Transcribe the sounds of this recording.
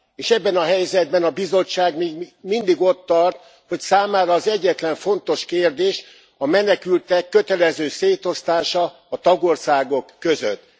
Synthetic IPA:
eːʃɛbːɛnɒɦɛjzɛd̪̚bɛnɒbizo̞ːaːɡmiːɡmind̪iɡo̞t̪ːɒrt̪̚ | ho̞csaːmaːɾɒːzɛɟːɛt̪lɛɱfo̞nt̪o̞ʃkeːrd̪eːʃ | ɒmɛnɛkylt̪ɛkːøt̪ɛlɛzøːseːt̪o̞st̪aːʃɒː | t̪ɒɡo̞rsaːɡo̞kːøzø̰t̪ː

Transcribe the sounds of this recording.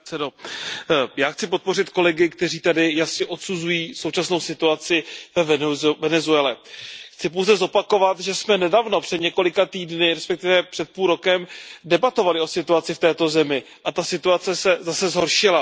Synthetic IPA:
ɛdo | jaːxt͡sɪpo̞t̪̚po̞rɪt̪ko̞lɛɡɪkt̪ɛriːt̪adɪjasɲɛʔo̞t̪suzujiːsowt͡ʃasno̞wsɪt̪uat͡sɪvɛvvɛnɛzuɛlɛxt͡sɪpowzɛzo̞pako̞vat̪ʒɛsmɛnɛdaːvno̞pr̥ɛd̪ɲɛko̞lɪkat̪iːdnɪɾɛspɛk̚t̪ɪvɛpr̥ɛt̪̚puːlɾo̞kɛmdɛbat̪o̞valɪo̞sɪt̪uat͡sɪft̪ɛːt̪o̞zɛmɪ | ʔat̪asɪt̪uat͡sɛsɛzasɛzɦo̞ɾʃɪla

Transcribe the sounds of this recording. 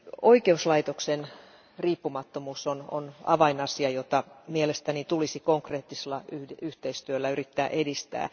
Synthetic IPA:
oikeuslɑit̪oksen | riːpːumɑt̪ːomuːsono̰nɑ̰ʋɑinɑsiɑjot̪ɑmielest̪ænit̪ulisikoŋkreːt̪ːiselːɑyyht̪eist̪yølːæyrit̪ːæːʔedist̪æ̰ː

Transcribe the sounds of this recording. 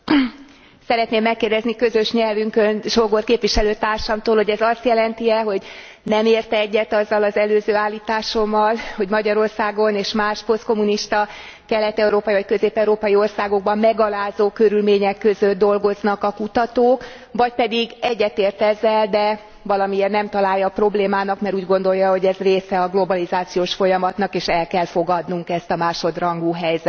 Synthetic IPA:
sɛɾɛt̪neːmːɛkːeːrd̪ɛznikø̞zø̞ʃɲɛlvyŋkønʃoɡorkeːpʋiʃɛløːt̪aːrʃɒmt̪oːlho̞ɟɛzɒst̪jɛlɛnt̪iɛɦo̞ɟ | nɛmeːrt̪ɛɛɟːɛt̪ɒzːɒlɒzɛløːzøːaːlːiːt̪aːʃo̞mːɒlho̞ɟmɒɟɒɾo̞rsaːɡo̞neːʃmaːʃpo̞st̪̚ko̞muniʃt̪ɒ | kɛlɛt̪ɛuɾoːpɒjivɒc̚køzeːpɛuɾoːpɒjio̞rsaːɡo̞ɡ̚bɒmːɛɡɒlaːzoːkøɾylmeːɲɛkːø̞zød̪̚d̪o̞lɡo̞znɒkɒkut̪ɒt̪oːk | vɒc̚pɛd̪iɡɛɟːɛt̪eːrt̪ɛzːɛld̪ɛ | vɒlɒmieːrnɛmt̪ɒlaːjːɒpro̞bleːmaːnɒkmɛɾuːɟɡo̞n̪d̪ojɒɦo̞ɟɛzreːsɛɒɡlo̞bɒlizaːt̪sijoːʃfo̞jɒmɒt̪nɒkeːʃɛlkɛlfo̞ɡɒd̪nuŋkɛst̪ɒmaːʃo̞d̪rɒŋɡuɦɛjzɛt̪

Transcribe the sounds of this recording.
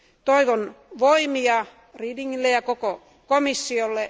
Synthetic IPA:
t̪oiʋonʋoimiɑ | riːdiŋːilːejɑkoko | komisːiolːe

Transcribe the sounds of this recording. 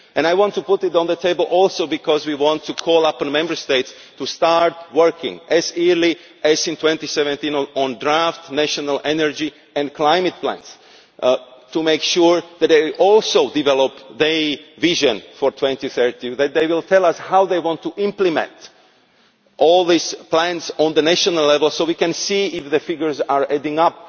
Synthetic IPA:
ʔɛ̃najwɑ̃ntʰːupʊtɪɾɔ̃nðətʰeɪbəl̩ˠʔɔlˠsoʊbikʰɔzwiwɑ̃ntʰːukʰɔlˠʌpnmɛ̃mbə˞steɪts | tustɑɹt̚wɜ˞kɪ̰̃ŋʔɛziɹli | ʔæzɪ̃ntʰw̥ɛ̃ntisɛvɛ̃ntĩnɔ̃ndɹæftnæʃɔnəlʔɛnə˞d͡ʒi | ɛ̃nkʰlaɪmɨt̚pʰlæ̰̃ns | tumeɪkʃuɹðɛt̪̚ðeɪʔɔlˠsoʊdivɛlɔpðeviʒə̃nfɔɹtʰwɛ̃ntiθɜ˞tiðɛt̪̚ðeɪwɪlˠtʰɛlˠʌshawðeɪwɑ̃ntʰːuʔɪ̃mplɨmɛ̰̃nt | ʔɔlˠðisplæ̃nzɔ̃nðənæʃɔnəlɛvəlˠsoʊwikɛ̃nsiɪfðəfɪɡjə˞zaɹɛ̃dɪ̃ŋʌp̚

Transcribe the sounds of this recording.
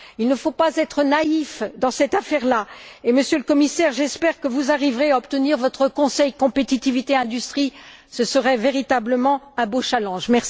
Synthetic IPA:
ilnəfopazɛt̪χənaifd̪ɑ̃sɛt̪afɛʁlaeməsjøləkɔmisɛʁʒɛspɛʁkəvuzaʁivʁeaɔpt̪əniʁvɔt̪χəkɔ̃sɛjkɔ̃pet̪it̪ivit̪eɛ̃d̪yst̪χi | səsəʁɛveʁit̪abləmɑ̃ | ɛ̃boʃalɑ̃ʒmɛʁsi

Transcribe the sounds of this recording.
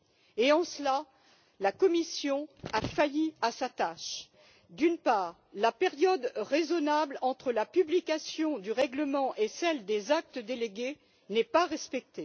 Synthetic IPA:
eɑ̃səla | lakɔmisjɔ̃afajiasat̪aʃ | d̪ynpaːʁ | lapɛʁjɔd̪ʁezɔnablɑ̃t̪χəlapyblikʲasjɔ̃d̪yʁɛɡləmɑ̃ʔesɛld̪ezak̚t̪əd̪eleɡʲe | nɛpaʁɛspɛk̚t̪e

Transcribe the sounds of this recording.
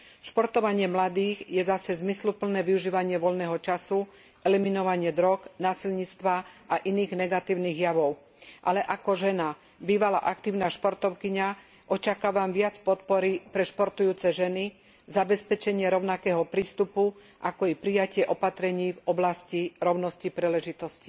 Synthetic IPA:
ʃpɔɾt̪ɔʋaɲɪɛmlad̪iːɣjɛzasɛzmislupl̩nɛːʋiuʒiːʋaɲɪɛʋɔʎnɛːɦɔt͡ʃasu | ʔɛliminɔʋaɲɪɛd̪ɾɔknaːsilɲit͡st̪ʋaʔaʔiniːɣnɛɡat̪iːʊniːɣjaʋɔʊ | ʔalɛʔakɔʒɛna | biːʋala̰ːʔakt̪iːʊnaːʃpɔɾt̪ɔʊkiɲa | ʔɔt͡ʃakaːʋamʋɪat͡spɔt̪pɔɾipɾɛʃpɔɾt̪ujuːt͡sɛʒɛni | zabɛspɛt͡ʃɛɲɪɛɾɔʊnakɛːɦɔpɾiːst̪upu | ʔakɔipɾijacɪɛʔɔpat̪ɾɛɲiːvɔblasciɾɔʊnɔscipɾilɛʒit̪ɔsci̥

